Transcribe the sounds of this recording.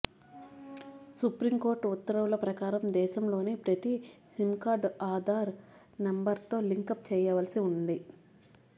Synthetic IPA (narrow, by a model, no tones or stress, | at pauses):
supɾimko̞ːɾʈut̪ːɐɾɐʋlɐpɾɐkaːɾɐmd̪ɛːʃɐmlo̞ːneːpɾɐt̪isimkaːɾɖaːd̪ʱaːɾ | nembɐɾt̪o̞ːliŋkɐp̚t͡ʃɛːjɐʋɐlɐsiund̪i